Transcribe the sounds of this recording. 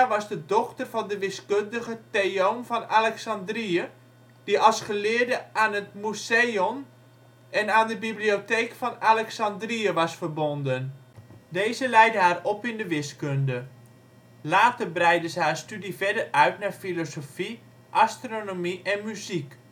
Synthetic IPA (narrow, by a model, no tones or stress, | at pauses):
aʋɑzdədɔxtərvɑndəʋɪskøndəɣəteonfɑnalɛksɑndriə | d̥iɑlˠsχəlɪːrdəaːnətmuseon | ɛnaːndəbiblioteːkfɑnalɛksɑndriəʋɑsfərbondən | dejzəlɛjdəɦaːrɔpɪndəʋɪskøndə | laːtərbrɛjdəzəhaːstydifɛdərœɥtnaːrfilosofi | ʔastronomiʔɛnmyzik